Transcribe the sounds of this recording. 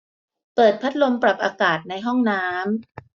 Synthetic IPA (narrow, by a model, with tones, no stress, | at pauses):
pɤː˨˩t̪̚pʰa˦˥t̪̚lo˧mpɾa˨˩p̚ʔaː˧kaː˨˩t̪̚na˧jɦɔ˥˩ŋnaː˦˥m